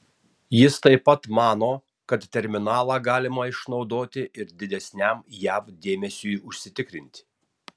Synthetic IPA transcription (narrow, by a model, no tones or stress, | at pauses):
jɪst̪ɐɪpɐt̪mɑːnoː | kɐt̪t̪ʲɛɾʲmʲɪnɑːlˠɑːɡɑːlʲɪmɐɪʃnɒʊd̪oːt̪ʲɪʔɪɾd̪ʲɪd̪ʲɛsʲnʲæmjæfd̪ʲeːmʲɛsʲuːʊʃʲsʲɪt̪ʲɪkɾʲɪnʲt̪ʲɪ̥